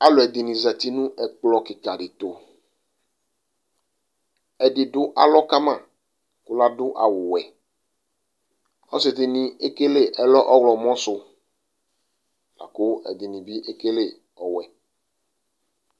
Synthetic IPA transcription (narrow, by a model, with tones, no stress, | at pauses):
a˨lo˨ɛ˨d̪e˨nĩ˨zɛ˨t̪i˦nũ˦ʔɛ˨k͡plɔ˨ke˨ka˨ɖe˨t̪o˨ | ɛ˨ɖɪ˨ɖʊ˦ʔa̰˨lɔ˦ka˦mã˦˨ | kʊ˦la˦dʊ˦ʔa̰˨wʊ˨wɛ˨ | ɔ˦se˨t̪e˨nĩ˨e˦ke˦le˦ʔɛ˨lɔ˦ʔɔ˦wlɔ˨mɔ̃˦sʊ˦ | la̰˨ko˦ɛ̰˨d̪i˨nĩ˨bi˦ʔe˦ke˦le˦˨ | ɔ˨wɛ˨